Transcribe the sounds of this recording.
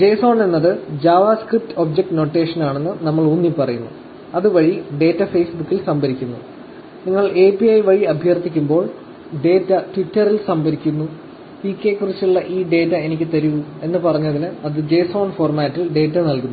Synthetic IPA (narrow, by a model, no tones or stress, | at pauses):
d͡ʑe̞ːso̞ːɳe̞nːɐðɨd͡ʑaːʋaːskrip̚ʈɨoːb̚d͡ʑek̚ʈno̞ːʈːe̞ːʂɐnaːɳe̞nːɨnɐmːɐɭunːipɐrɐjunːṵ | ɐðɨʋɐɻiɖe̞ːtːɐfe̞ːsbukːilsɐmbɐɾikʲːunːṵ | niŋːɐɭe̞ːpijɐjʋɐɻiɐbʱjɐrt̪ikʲːumbo̞ːɭ | ɖe̞ːtːɐtʋitːɐrilsɐmbɐɾikʲːunːu | pikʲːekːurit͡ɕːuɭːɐʔiːɖe̞ːtːɐe̞nikʲːɨt̪ɐɾuue̞nːɨpɐrɐɲːɐðinɨɐðɨd͡ʑe̞ːso̞ːɳfo̞ːrmaːtːilɖe̞ːtːɐnɐlkunː